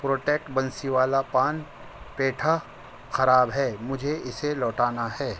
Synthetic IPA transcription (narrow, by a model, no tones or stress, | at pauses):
pɾoːʈeːk̚ʈbɐnsiʋaːlapaːn | peːʈʰa | xɐɾaːbɦɛːmʊd͡ʒʱeʔɪselɔːʈaːnaɦɛː